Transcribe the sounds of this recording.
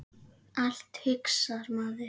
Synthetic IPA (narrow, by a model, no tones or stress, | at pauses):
al̥t̪hɪksaɾmaːðɪ